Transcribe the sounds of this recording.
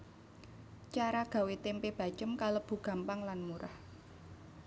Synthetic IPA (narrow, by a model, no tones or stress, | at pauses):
t͡ʃaɾaɡ̥a̤wet̪empeb̥a̤t͡ʃəmkaləb̥ṳɡ̥a̤mpaŋlanmuɾa̰h